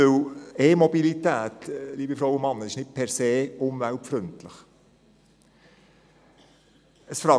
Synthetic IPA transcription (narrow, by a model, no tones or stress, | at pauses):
øweːmɔbilitæːtliːbəfɾowʊnmɑnːəɪʃnɪt̚pʰɛɾseːʊnʋælpfɾʏntləχ | əsfɾɑ